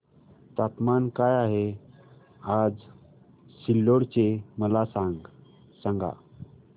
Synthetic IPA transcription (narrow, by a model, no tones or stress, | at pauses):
t̪at̪mankajaɦe | ad͡z | silːoɽt͡ɕeməlasãŋɡ | sãŋɡa̰